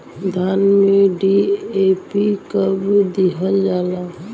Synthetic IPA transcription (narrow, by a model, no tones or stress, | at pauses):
d̪ʱanmeɖiepikəbd̪iɦəld͡ʒala